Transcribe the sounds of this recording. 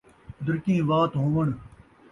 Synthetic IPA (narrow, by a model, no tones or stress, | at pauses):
d̪ʊɾkĩːʋaːt̪ɦõːʋəɳ